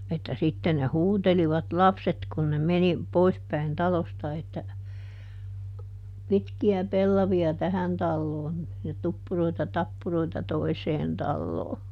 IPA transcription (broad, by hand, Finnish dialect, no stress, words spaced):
etːæ sitːen ne huːteliʋɑt lɑpset kun ne meni poispæin tɑlostɑ etːæ pitkiæ pelːɑʋiɑ tæhæn tɑlːoːn jɑ tupːuroitɑ tɑpːuroitɑ toiseːn tɑlːoː